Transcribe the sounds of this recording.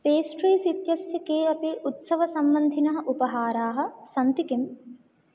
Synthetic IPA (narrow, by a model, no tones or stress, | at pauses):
peːsʈɾiːsit̪jɐsjɐkeːɐpiʔut̪sɐʋɐsɐmbɐnd̪ʱinɐɦɐʔupɐɦaːɾaːɦɐ̆sɐnt̪ikim